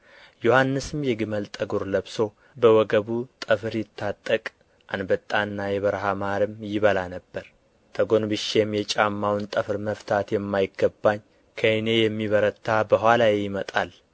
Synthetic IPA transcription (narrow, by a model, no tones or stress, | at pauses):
johanːɨsɨmjɛɡɨməlt̪ʼəɡuɾləβso̞ | bəwɔɡəβut̪ʼəfɨɾjɪt̪ʰːat̪ʼːəkʼ | ʔanbət̪ʼːanːajɛβəɾɦamaɾɨmjɪβəlanəbːəɾ | t̪ʰəɡo̞nbɨʃːe̞mjɛt͡ʃʼamːawnt̪ʼəfɨɾməft̪ʰat̪jɛmːajɪɡːəbːaɲː | kʰəɨne̞jɛmːiβəɾət̪ʰːabəɦʷwalajejɪmət̪ʼal